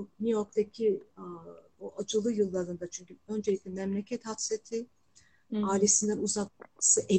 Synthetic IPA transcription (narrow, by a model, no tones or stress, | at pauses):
nujo̞ɾk̚t̪ʰacʲʰi | buʔad͡ʒɯlˠɯjɯlˠːaɾɯnd̪at͡ʃʰyɲcʲyø̞nd͡ʒelʲic̚lʲɛmɛmlʲecʰɛt̪hafset̪ʰi | aːilʲe̞sind̪ænuzaksɯʔe